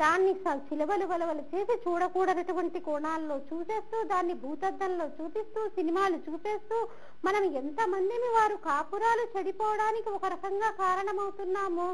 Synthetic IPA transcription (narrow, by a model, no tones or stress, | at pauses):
d̪aːnːisɐt͡ʃilɐʋɐluʋɐlɐʋɐlut͡ʃe̞ːsit͡ʃuːɽɐkuːɽɐnɐʈuʋɐɳʈikɔːɳaːlːo̞ːt͡ʃuːse̞ːst̪uːd̪aːnːibʱuːt̪ɐd̪ːɐnlo̞ːt͡ʃuːpist̪uːsinimaːlut͡ʃuːpe̞ːst̪uː | mɐnɐment̪ɐmɐnd̪imiʋaːɾukaːpuɾaːlut͡ʃɐɽipɔːʋɐɽaːnikiɔkɐɾɐkɐŋɡaːkaːɾɐɳɐmɐwt̪unːaːmu